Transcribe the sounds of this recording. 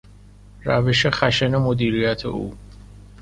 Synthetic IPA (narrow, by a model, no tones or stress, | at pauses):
ɾavɛʃɛχæʃɛnɛmod̪iɾijæt̪ʰḛu